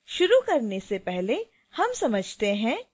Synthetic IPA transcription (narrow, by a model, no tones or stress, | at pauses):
ʃʊɾukɐɾnesepɛɦle | hɐmsɐməd͡ʒʱt̪eɦɛ̃ː